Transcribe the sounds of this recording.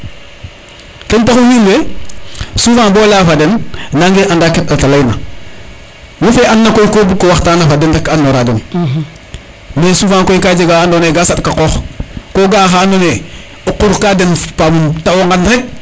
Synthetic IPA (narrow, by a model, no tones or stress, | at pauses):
kentaxuwilwe | sufãːnboːlafadennaŋɡeʔandaketatalajna | mufeʔanːakojkoːbukːowaxtaːnafadendekːanːoɾaden | mesufãŋkojkad͡ʒeɡaandoneɡasatkaqoːxkoːɡaːxaːndone | oqːuɾkadenpamuntawoŋɡandxek̚